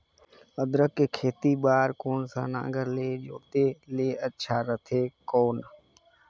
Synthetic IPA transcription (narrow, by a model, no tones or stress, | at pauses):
əd̪ɾəkːekʰeːt̪ibaːɾkoːnsa̰ːnã̰ːɡəɾleːd͡ʒoːt̪eleːətːʃʰaːɾət̪ʰeːkoːn